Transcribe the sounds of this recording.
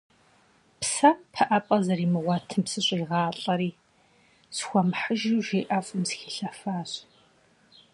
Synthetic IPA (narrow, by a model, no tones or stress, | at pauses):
psɐpʰɐʔɐpʼɐzɐɾiːmɨʁʷɑtʰɨmsɨɕʷʼiːʁɑːɬʼɐɾiː | sxʷɔmħəʒiwʒeːʔɐfʼɨmsxiɬɐfaːɕ